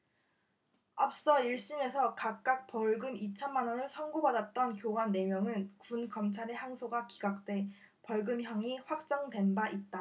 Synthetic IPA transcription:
ap̚s͈ʌiɭɕ͈ine̞sʰʌkak̚k͈ak̚p͈ʌɭɡɯmit͡ɕʰʌnmanʌnɯɭsʰʌŋɡobadat̚t͈ʌnkjoɡanːe̞mjʌŋɯnkunɡʌmt͡ɕʰaɾeɦaŋsʰoɡaki̥ɡak̚t͈we̞ | pʌɭɡɯmçjʌŋiɸwak̚t͡ɕ͈ʌŋdwe̞nbaʔit̚t͈a

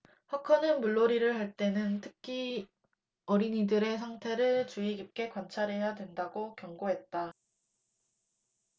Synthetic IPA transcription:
hakʰʌnɯnmuɭːoɾiɾɯɭɦaɭt͈e̞nɯntʰɯk̚kʰi | ʌɾiɲidɯɾe̞sʰaŋtʰe̞ɾɯɭt͡ɕuiɡip̚k͈e̞kwant͡ɕʰaɾe̞jadwe̞ndaɡokjʌŋɡoɦe̞t̚t͈a

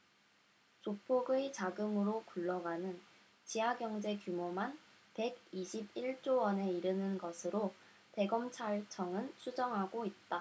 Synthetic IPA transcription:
t͡ɕopʰoɡɯet͡ɕaɡɯmɯɾokuɭːʌɡanɯn | t͡ɕiɦaɡjʌŋd͡ʑe̞kjumoman | pe̞ɡiɕʰib̚iɭt͡ɕ͈owʌne̞iɾɯnɯnɡʌsʰɯɾo | te̞ɡʌmt͡ɕʰaɭt͡ɕʰʌŋɯnt͡ɕʰud͡ʑʌŋɦaɡoit̚t͈a

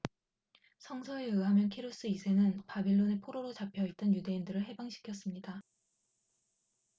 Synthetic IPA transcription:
sʰʌŋsʰʌe̞ɯɦamjʌnkʰeɾus͈ɯisʰe̞nɯnpabeɭːone̞pʰoɾoɾot͡ɕapʰjʌit͈̚ʌnjude̞indɯɾɯɭɦe̞baŋɕʰi̥kʰjʌs͈ɯmɲida

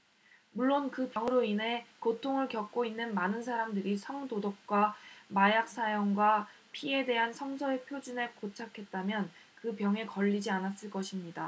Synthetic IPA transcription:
muɭːonkɯpʌŋɯɾoinɦe̞kotʰoŋɯɭkjʌk̚k͈oinːɯnmanɯnsʰaɾamdɯɾisʰʌŋdodok̚k͈wamajak̚s͈ajoŋɡwa | pʰie̞de̞ɦansʰʌŋsʰʌepʰjod͡ʑinekot͡ɕʰakʰe̞t̚t͈amjʌnkɯpjʌŋe̞kʌʎːid͡ʑianas͈ɯɭk͈ʌɕʰimɲida

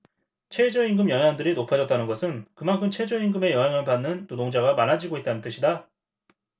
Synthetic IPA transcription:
t͡ɕʰe̞d͡ʑoiŋɡɯmjʌŋandɯɾinopʰad͡ʑʌt͈̚anɯnɡʌsʰɯnkɯmaŋkʰɯmt͡ɕʰe̞d͡ʑoiŋɡɯme̞jʌŋɦaŋɯpanːɯntodoŋd͡ʑaɡamanad͡ʑiɡoit̚t͈anɯnt͈ɯɕʰida

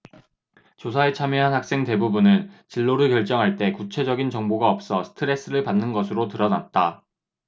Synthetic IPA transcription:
t͡ɕosʰaet͡ɕʰamjeɦanhak̚s͈e̞ŋte̞bubunɯnt͡ɕiɭːoɾɯɭkjʌɭt͡ɕ͈ʌŋɦaɭt͈e̞kut͡ɕʰe̞d͡ʑʌɡint͡ɕʌŋboɡaʌp̚s͈ʌsʰɯ̥tʰɯɾe̞s͈ɯɾɯɭpanːɯnɡʌsʰɯɾotɯɾʌnat̚t͈a

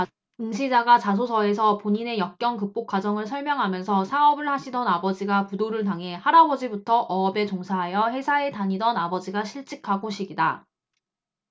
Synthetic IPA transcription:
ɯŋɕʰid͡ʑaɡat͡ɕas̬ʰosʰʌe̞s̬ʰʌpoɲine̞jʌk̚k͈jʌŋkɯp͈okwad͡ʑʌŋɯɭsʰʌɭmjʌŋɦamjʌnsʰʌsʰaʌbɯɭhaɕʰidʌnabʌd͡ʑiɡapudoɾɯɭt̬aŋɦe̞haɾabʌd͡ʑibutʰʌʔʌːbe̞t͡ɕoŋsʰaɦajʌhe̞sʰae̞taɲidʌnabʌd͡ʑiɡaɕʰiɭt͡ɕ͈ikʰaɡoɕʰiɡida

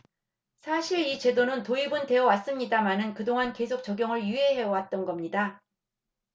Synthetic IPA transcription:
sʰaɕʰiɭit͡ɕe̞donɯntoibɯnte̞ʌwas͈ɯmɲidamanɯnkɯdoŋanke̞sʰok̚t͡ɕʌɡjʌŋɯɭjye̞ɦe̞wat̚t͈ʌnɡʌmɲida

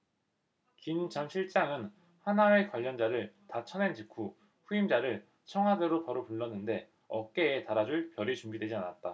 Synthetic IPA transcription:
kimt͡ɕʰʌmɕʰiɭt͡ɕ͈aŋɯn | hanae̞kwaʎːʌnd͡ʑaɾɯɭtat͡ɕʰʌnend͡ʑikʰu | ɸuimd͡ʑaɾɯɭ | t͡ɕʰʌŋɦwadeɾopʌɾupuɭːʌnːɯnde̞ | ʌk͈e̞ːtaɾad͡ʑuɭpjʌɾit͡ɕumɡidwe̞d͡ʑianat̚t͈a

